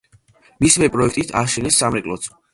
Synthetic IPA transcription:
mismɛpʼɾɔɛkʰt̪ʼit̪ʰaʃɛnɛsːamɾɛkʼlˠɔt̪sʰ

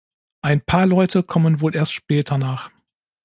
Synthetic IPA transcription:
ʔaɪnpʰaːɐlɔʏtʰəkʰɔmənvoːlʔeːɐstʃpɛːtʰɐnaːχ

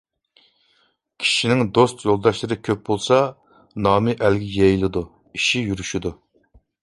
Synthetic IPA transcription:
kʲʰi̥ʃinɪŋd̪ost̪jolˠd̪ɑʃlˠɨɾɨkʲʰøp̚bolˠsɑ | nɑːmɨʔælɡʲɛjɛjlˠɨd̪u | iʃijyɾyʃid̪u

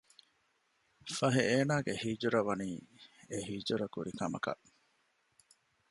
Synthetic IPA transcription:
fɐɦeeːnaːɡehiːd͡ʒuɾɐʋɐniːeɦiːd͡ʒuɾɐkuɾikɐmɐ̰kɐ̰ʔ

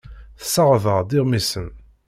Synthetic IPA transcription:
θə̥sːəʁvəʁd̪ɪʁmisən

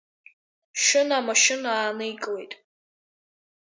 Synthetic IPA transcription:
ʃɪnamaʃɪnaːnɨikʼlejtʼ

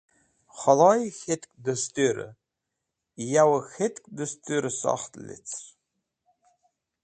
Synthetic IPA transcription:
χalajxʲetʰʼkʼdɨstʼeɾɨ̰ | jawaxetʰʼkʼdɨstʼyɾɨsa̰χtʼlḛt͡sʰ

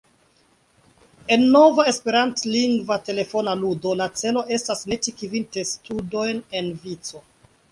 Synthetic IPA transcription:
e̞nːo̞vae̞spe̞ɾantliŋɡvate̞le̞fo̞naludo̞lat͡se̞lo̞ʔe̞stasne̞tikivinte̞studo̞jne̞nvit͡so̞

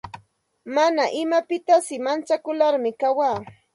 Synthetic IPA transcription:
manaʔɪmapɪt̪asɪmant͡sakʊlaɾmɪkawaː

